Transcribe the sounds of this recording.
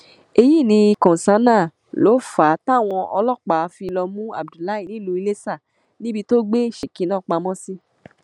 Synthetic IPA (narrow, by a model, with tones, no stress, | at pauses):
e˧ji˦˨nĩ˧i˧kɔ̃˨sã˨˦nã˦˨ | lo˨˦fa˨˦ta˦˨w̃ɔ̃˧ʔɔ˧lɔ˦˨k͡pa˨˦˧fi˧lɔ˧mũ˦a̰˨bdu˨la˨˦ĩ˦˨nĩ˨˦˨lu˧i˧le˦sa˦˨ | nĩ˦bi˧to˦ɡ͡be˦˨ʃe˨kĩ˨˦nãː˦˨k͡pa˧mɔ̃˦si˦